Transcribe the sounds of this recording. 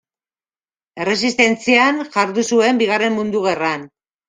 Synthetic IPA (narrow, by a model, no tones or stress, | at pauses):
e̞re̞sist̪e̞nt͡sianʝaɾðusue̞mbiɣare̞mmund̪uɣ̞e̞ran